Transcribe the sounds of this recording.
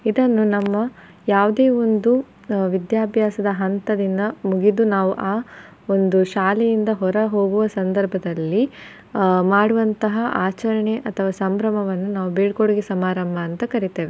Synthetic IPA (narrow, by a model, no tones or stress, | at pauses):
id̪ɐnːunɐmːɐ | jaːʋud̪e̞ːo̞nd̪u | ʋid̪jaːbʱjaːsɐd̪ɐɦɐnt̪ɐd̪ind̪ɐmuɡid̪unaːʋuʔaː | o̞nd̪uʃaːlejind̪ɐɦɔɾɐɦo̞ːɡuʋɐsɐnd̪ɐɾbʱɐd̪ɐlːi | maːɽuʋɐnt̪ɐɦɐʔaːt͡ʃɐɾɐɳe̞ʔɐt̪ʰɐʋaːsɐmbɾɐmɐʋɐnːunaːʋubeːɖkoɽuɡisɐmaːɾɐmbʱɐːnt̪ɐkɐɾit̪eːʋe